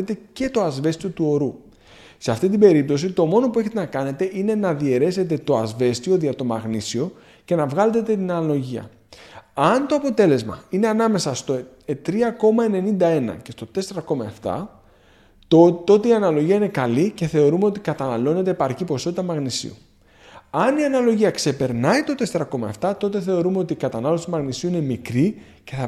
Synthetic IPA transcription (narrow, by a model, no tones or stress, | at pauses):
it̪e̞ce̞t̪o̞ɐzve̞st̪io̞t̪uo̞ɾu | seɐft̪it̪̬ibe̞ɾip̚t̪o̞sit̪o̞mo̞no̞pueçe̞t̪enɐkɐne̞t̪e̞ʔine̞nɐðie̞ɾe̞se̞t̪̬e̞t̪o̞ɐ̰zve̞st̪io̞ðiɐt̪o̞mɐ̰ɣnisio̞ | ce̞nɐvɣɐle̞t̪et̪et̪inɐlo̞ʝiɐ̰ | ɐnt̪o̞ɐpo̞t̪e̞le̞zmɐ̰ine̞ɐnɐme̞sɐst̪o̞ | et̪ɾiɐko̞mɐe̞ne̞nind̪ɐe̞nɐ̰ce̞st̪o̞t̪e̞se̞ɾɐko̞mɐe̞ft̪ɐ̰ | t̪o̞t̪eiɐnɐlo̞ʝiɐine̞kɐlice̞θe̞o̞ɾume̞o̞t̪ikɐt̪ɐnɐlo̞ne̞t̪eːpɐɾcipo̞so̞t̪it̪ɐmɐɣnisḭṵ | ɐniɐnɐlo̞ʝiɐkse̞pe̞ɾnɐit̪o̞t̪e̞se̞ɾɐko̞mɐ̰e̞ft̪ɐt̪o̞t̪̬eθe̞o̞ɾume̞o̞t̪ikɐt̪ɐnɐlo̞st̪imɐɣnisiuine̞mikɾi | ce̞θɐ